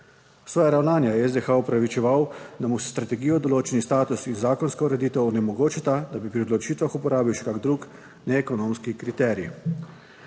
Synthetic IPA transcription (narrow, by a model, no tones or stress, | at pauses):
sʋɔːjaɾawnaːnjajɛɛzd̪exaɔpɾaʋit͡ʃɛʋawd̪amusst̪ɾat̪ɛɡijɔd̪ɔloːt͡ʃɛnist̪aːt̪usinzaːkɔnskɔuɾɛd̪iːt̪ɛwɔnɛmɔɡoːt͡ʃat̪ad̪abipɾiod̪lɔt͡ʃiːt̪ʋaxupɔɾaːbiwʃɛ̥kaɡd̪ɾuːk | nɛːkɔnoːmskikɾit̪ɛːɾi